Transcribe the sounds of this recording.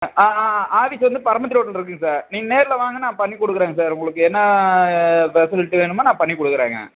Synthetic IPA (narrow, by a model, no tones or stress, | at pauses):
aaːʋɪsɐʋɐnd̪ɯpɐɾɐmɐt̪̬ːɪɾoːʈ̬ːɐlɪɾɯkːɯŋɡɐsaːɾniːŋɐneːɾɪlɐʋaːŋɡɐnãːpɐɳːikːɔɽɯkːɯɾeːŋɡɐsaːɾʊŋɡɐɭɯkːɯɛnːɐ | ʋɛsɐlɪʈːɯʋeːɳɯmːaːnãːpɐɳːikɔɽɯkːɯɾḛːŋɡɐ̰